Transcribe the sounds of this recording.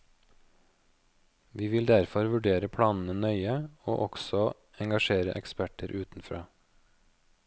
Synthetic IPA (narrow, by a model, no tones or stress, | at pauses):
ʋiːʋɪld̪æɾfɔɾʋʉɖeːɾəpʰɽɑːnn̩ənœʏəo̰ːʔɔɡ̥sɔ | ɛŋɡɑʃeːɾə̰ʔɛkspæʈəɾʔʉːt̪n̩fɾɑ̰ː